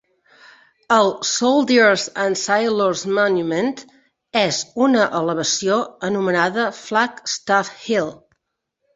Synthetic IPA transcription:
əlˠsolˠd̪əɾzənsajloɾzmɔnjument̪ | ɛzunəʔələβəsioənumənaðəflakst̪afhilˠ

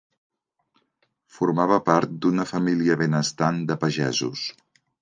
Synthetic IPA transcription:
fuɾmaβəpaɾt̪̚d̪unəfəmiliəβenəst̪and̪əpəʒɛzus

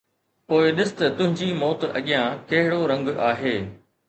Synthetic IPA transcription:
poːɪɗɪsɪ̥t̪ɐt̪ʊ̃ɦɪ̃ɲd͡ʑiːmɔːt̪ɐ̰ɠijãkɐɦɪɽoɾɐ̃ŋɡʔaːɦeː

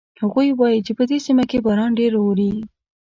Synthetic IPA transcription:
haɣujwɑjit͡ʃepəd̪esimakebɑɾɑnɖeɾowɾi

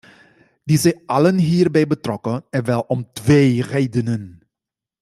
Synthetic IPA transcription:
dizɛjɑlənɦiːrbɛjbətrɔkənɛnʋɛlˠɔmtʋeːreːdənən

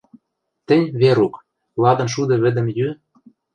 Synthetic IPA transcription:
t̪ɘ̆nʲβeɾuk | lɑd̪ɤ̆nʃ̬ud̪ɤ̆βɘ̆d̪ɘ̆mjy

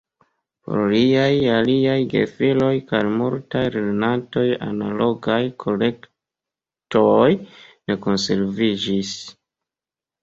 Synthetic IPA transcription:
po̰ɾliajaliajɡe̞̰filo̞jkajmuɾtajɾenanto̞ja̰nalo̞ɡajkʰo̞le̞k | tojne̞ko̞nse̞ɾvid͡ʒis

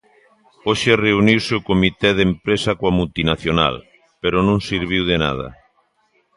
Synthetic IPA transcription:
oʃereuniwseokomit̪ɛð̞empɾesakoamult̪inaθjona̰l | peɾonõŋsiɾβ̞iwðena̰ð̞a̰

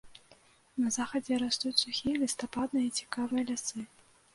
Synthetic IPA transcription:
nɐzaxɐd͡zʲɛɾast̪utʲsuxʲijɐlʲist̪apad̪̚nɨjɐit͡sʲi̥kavɨjɐlʲasɨ

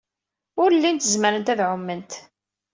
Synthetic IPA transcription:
ʊɾəlːint̪əzməɾənt̪æðʕʊmːənt̪

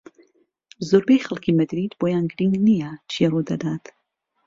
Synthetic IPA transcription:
zoɾbejxɐlˠkʰiːmɐd̪ɾiːd̪boːjaːnɡɾiŋɡnijɛt͡ʃʰirud̪ɐd̪aːt̪

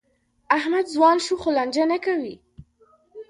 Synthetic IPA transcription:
ahmad̪zwɑnʃuxoland͡ʒanakawi

